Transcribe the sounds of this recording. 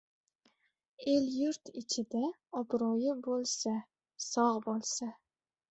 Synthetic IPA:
e̞ljʊɾt̪ɪt͡ʃʰɪd̪a | ɒbɾɒjɪbolˠsa | sɒʁbolˠsa

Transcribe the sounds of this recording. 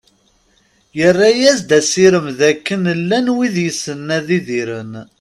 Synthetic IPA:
jərːajæzd̪æsiɾəmðækːənlːænwiðjəsənːæðiðiɾən

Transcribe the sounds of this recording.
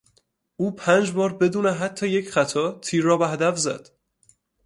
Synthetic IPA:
ʔuːpʰæːnd͡ʒbɒːɾbe̞d̪uːneɦæt̪ʰːɒːjecʰχæt̪ʰɒːt̪ʰiːɾːɒːbæɦæd̪æfzæ̰d̪̥

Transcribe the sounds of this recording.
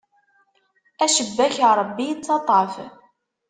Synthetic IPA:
æʃəbːæçɾˤəbːijt͡sːɑt̪ˤɑf

